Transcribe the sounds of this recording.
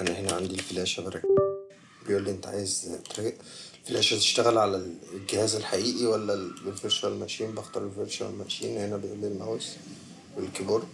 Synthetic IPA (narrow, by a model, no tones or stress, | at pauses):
ʔænæhenæʕand̪ilfelæːʃæbɑɾˤɑ̰k | bejʔuːlːiʔent̪æʕa̰ːjezt̪ɾɑɡʔ | elfelæːʃæt̪e̥ʃt̪æɣælʕalælɡehæːzelħaʔiːʔiwælːælfeɾʃæwælmæʃiːmbɑxt̪ɑɾˤelfeɾʃæwḛlmæʃiːnhenæbejʔuːlːilmæws | welkebuɾˤ